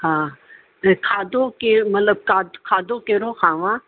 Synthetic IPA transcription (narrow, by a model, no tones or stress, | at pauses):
hãː | kʰaːd̪õkemɐt̪ləb̚kaːd̪kʰaːd̪õːkeɾõːxʰaːʋãː